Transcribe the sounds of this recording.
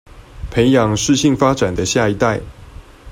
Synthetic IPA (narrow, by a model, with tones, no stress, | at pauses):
pʰe˧˥˦ɪjɑ˨˦ŋʂɻ̩˥˧ɕi˥˨ŋfa˦ʈ͡ʂa˨˩nd̪ə˦ɕja˥˩i˧˦t̪a˥˨ɪ